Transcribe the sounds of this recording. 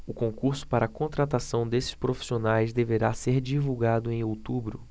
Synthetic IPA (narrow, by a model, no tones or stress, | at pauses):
ʊkõkuɾsʊ̥paɾɐkõt̪ɾat̪asɐ̃w̃d̪esɪ̥ʃpɾofi̥sionajzd̪eveɾaseɾd͡ʒivuwɡad̪ʊẽj̃owt̪ubɾʊ